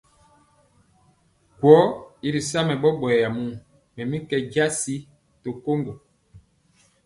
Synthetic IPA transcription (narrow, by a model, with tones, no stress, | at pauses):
kwɔ˨˦i˦ɾi˨sa˦mɛ˨ɓɔ˦ɓɔ˨ja˨mu˦˨ | mɛ˨mi˦kɛ˨d͡ʒa˦si˦ | to˨ko˦ŋɡo˨